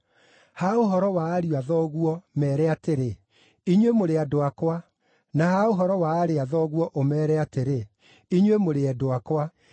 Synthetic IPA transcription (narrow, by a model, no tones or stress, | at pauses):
haoɦɔɾɔwaːɾiwaðɔɣuɔmɛːɾɛateɾe | iɲwemoɾeadoakwa | nahaoɦɔɾɔwaːɾeaðɔɣwɔʔomɛːɾɛateɾe | iɲwemoɾeɛdoakwa